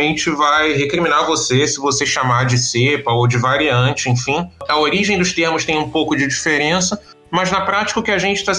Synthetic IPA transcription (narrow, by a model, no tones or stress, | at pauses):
mẽnt͡ʃɪvajɦekɾiminaɾvosesɪvoseʃamad͡ʒɪsepɐowd͡ʒɪvaɾiɐ̃t͡ʃɪẽfĩɐoɾiʒẽj̃d̪ʊʃt̪eɾmʊʃt̪ẽj̃ũpowkʊd͡ʒɪd͡ʒifeɾẽsɐ | mɐznɐpɾat͡ʃɪ̥kɐʊkɪɐʒẽnt͡ʃɪ̥t̪a